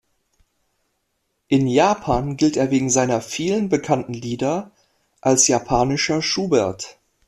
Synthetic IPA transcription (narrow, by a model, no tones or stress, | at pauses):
ʔɪnjaːpʰaːnɡɪlteːɐveːɡŋ̩zaɪnɐfiːlənbəkʰantn̩liːdɐ | ʔalsjapʰaːnɪʃɐʃuːbɛɐt